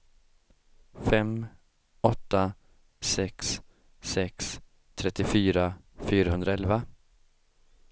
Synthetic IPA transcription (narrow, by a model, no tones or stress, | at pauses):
fɛm | ɔt̪ːa | sɛksː | ɛks | t̪ʰɾɛt̪ːɪfyːɾa | fyːɾaɦɵnd̪ɾaɛlva